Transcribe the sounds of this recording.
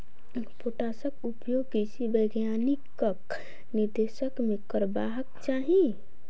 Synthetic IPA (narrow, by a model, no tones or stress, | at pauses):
poʈasəkupjoɡkisibəjɡjanikək | niɾd̪esəkmekəɾbaɦəkt͡ʃaɦĩ